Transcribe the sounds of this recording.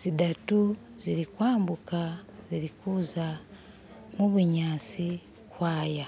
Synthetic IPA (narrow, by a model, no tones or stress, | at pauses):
z̥idatu | ziɾikwaːmbukaziɾikuːza | muβuɲaːt͡si | kwaːja